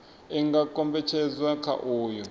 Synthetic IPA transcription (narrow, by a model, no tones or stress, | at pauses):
ɛŋɡakʼɔmbɛt͡ʃʰɛzwakʰa̰ʔuːjɔ